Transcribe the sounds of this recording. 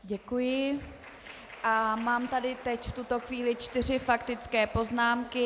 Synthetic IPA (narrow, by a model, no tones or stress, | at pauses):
ɟɛkujɪ | ʔamaːmt̪adɪt̪ɛcft̪ut̪o̞xviːlɪt͡ʃt̪ɪr̝ɪfakt̪ɪt͡skɛːpo̞znaːmkɪ